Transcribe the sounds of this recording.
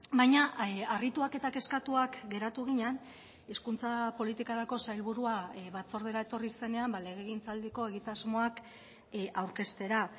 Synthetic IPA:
bajɲaarit̪uake̞t̪ake̞skat̪uakɡe̞ɾat̪uɣ̞iɲan | iskunt͡sapo̞lit̪ikaɾako̞sajlβuɾuaβat͡so̞ɾðeɾae̞t̪o̞rise̞ne̞ambale̞ɣ̞e̞ɣint͡sald̪eko̞e̞ɣ̞it̪azmo̞ak | ʔawɾke̞st̪e̞ɾa

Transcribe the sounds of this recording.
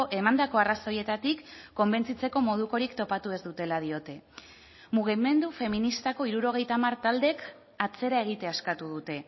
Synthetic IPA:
e̞mand̪ako̞araso̞je̞t̪at̪ikːo̞mbe̞nt͡sit͡se̞ko̞mo̞ð̞uko̞ɾikt̪o̞pat̪ue̞zd̪ut̪e̞lað̞io̞t̪e̞ | muɣ̞ime̞nd̪ufe̞minist̪ako̞iɾuɾo̞ɣ̞e̞jt̪amaɾt̪ald̪e̞k | at͡se̞ɾae̞ɣ̞it̪e̞askat̪uð̞ut̪e̞

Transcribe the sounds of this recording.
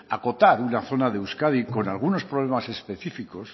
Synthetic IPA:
a̰ko̞t̪aɾunaθo̞naðewskaðiko̞nalɣ̞uno̞spɾoβ̞lemase̞spe̞θifiko̞s

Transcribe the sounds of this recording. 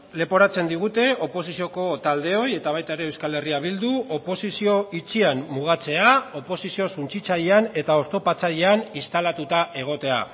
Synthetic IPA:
le̞po̞ɾat͡se̞nd̪iɣ̞ut̪e̞o̞po̞sisio̞ko̞t̪ald̪e̞o̞je̞t̪aβ̞ajt̪aeɾe̞ːwskale̞riaβ̞ild̪uo̞po̞sisio̞it͡siamːuɣ̞at͡se̞ao̞po̞sisio̞sunt͡sit͡saʎeane̞t̪ao̞st̪o̞pat͡saʎeanist̪alat̪ut̪aʔe̞ɣ̞o̞t̪e̞a̰

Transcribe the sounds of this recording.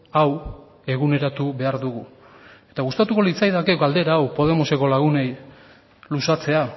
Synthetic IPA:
aw | e̞ɣune̞ɾat̪uβe̞aɾðuɣu | e̞t̪aɣust̪at̪uko̞lit͡sajðakeɡald̪e̞ɾaːwpo̞ð̞e̞mo̞se̞ko̞laɣ̞une̞j | lusat͡se̞a

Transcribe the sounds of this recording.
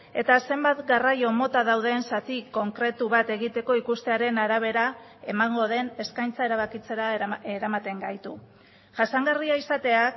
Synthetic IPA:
e̞t̪ase̞mbat̪ɡarajo̞mo̞t̪aðawð̞e̞nsat̪iko̞ŋkɾe̞t̪uβ̞at̪e̞ɣit̪e̞ko̞ikust̪e̞aɾe̞naɾaβ̞e̞ɾae̞maŋɡo̞ð̞e̞ne̞skajnt͡sae̞ɾaβakit͡se̞ɾaeɾamat̪e̞ŋɡajt̪u | ʝasaŋɡariaisat̪e̞ak

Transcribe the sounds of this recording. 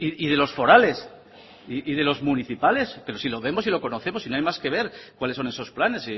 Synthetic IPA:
iið̞e̞lo̞sfo̞ɾale̞s | iʔiðe̞lo̞zmuniθipale̞spe̞ɾo̞silo̞βe̞mo̞s̬ilo̞ko̞no̞θe̞mosinoajmaske̞β̞e̞ɾkwaleso̞ne̞so̞splane̞si

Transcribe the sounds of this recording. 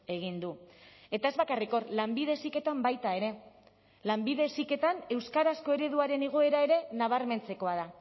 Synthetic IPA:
e̞ɣ̞ind̪ue̞t̪ae̞zβakariko̞rlambið̞e̞sike̞t̪ambajt̪ae̞ɾe̞ | lambiðe̞sike̞t̪ane̞wskaɾasko̞e̞ɾe̞ð̞uaɾe̞niɣ̞oe̞ɾae̞ɾe̞naβ̞aɾme̞nt͡se̞ko̞aða

